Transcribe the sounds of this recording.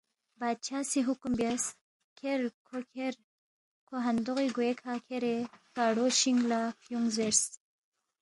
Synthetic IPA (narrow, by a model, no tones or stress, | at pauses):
baːd̪̚t͡ʃʰasiɦukumbjas | kʰeɾkʰokʰeɾ | kʰoɦand̪oɣiɡoekʰakʰeɾekaɽoʃiŋɡlafjuŋzeɾs